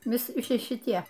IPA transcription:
ʋʲɪˈsʲɪ ˈʃʲɪ ʃʲɪˈtʲiɛ

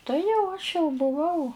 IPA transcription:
ˈtɐɪ jɛʊ ɐʃ jɛʊ bʊˈʋɐʊ

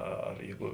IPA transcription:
ˈɐ ɐr ˈjɛɪɡʊ

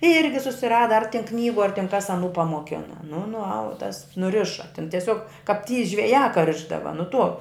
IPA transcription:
ˈɪrʲɡʲɪ sʊsʲɪˈrɑːdɐ ɐr tʲɛn ˈknʲiːɡʊ ɐr tʲɪn kɐs ɐˈnuː pɐmoːˈkʲɪnɐ nʊ nʊˈɐʊt tɐs nʊˈrʲɪʃɐ tʲɪn tʲɛˈsʲoːk kɐp tʲiː ʒʲʋʲɛˈjæː kɐ ˈrʲɪʒdɐʋɐ nʊ tuɔ

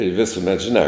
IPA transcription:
ɪ ˈʋʲɪsʊmʲɛt ʒʲɪˈnɑː

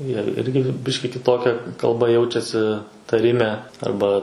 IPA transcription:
jiɛ ˈɪrʲɡʲɪ ˈbʲɪʃʲkʲɪ kʲɪˈtoːkʲɛ kɐlˠˈbɐ ˈjɛʊt͡ʃʲɛsʲɪ tɐˈrʲɪmʲɛ ˈɐrbɐ

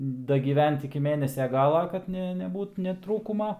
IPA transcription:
dɐɡʲiːˈʋʲɛnt ɪkʲɪ ˈmʲeːnʲɛsʲɛ ˈɡɑːlˠɐ ˈkɐt nʲɛ nʲɛˈbuːt nʲɛ ˈtruːkʊmɐ

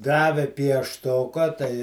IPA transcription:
ˈdɑːʋʲɛ pʲiɛʃˈtoːkɐ tɐɪ

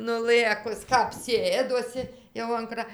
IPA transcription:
nʊˈlˠɘkʊs kɐp ˈsʲeːdoːsʲɪ jɛʊ ɐn ˈkrɐ

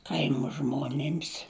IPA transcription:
ˈkɐɪmoː ˈʒmoːnʲɪms

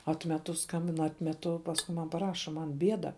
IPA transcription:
ˈɑːtʲmʲɛtʊ ˈskɐmʲbʲɪn ˈɑːtʲmʲɛtʊ pɐsˈkʊ mɐn pɐˈrɑːʃɐ ˌmɐn ˈbʲiɛdɐ

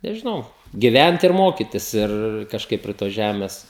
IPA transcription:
nʲɛʒʲɪˈnɐʊ ɡʲɪˈʋʲɛnt ɪr ˈmoːkʲɪtʲɪs ˈɪr kɐʃˈkɐɪp pʲrʲiɛ toːs ˈʒʲæmʲɛs

